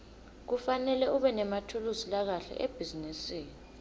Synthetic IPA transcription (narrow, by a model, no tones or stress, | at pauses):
k̬ufanɛlɛuɓɛnɛmatʰuluzilak̬aɬɛ̰ʔeb̥ʱizinisiːni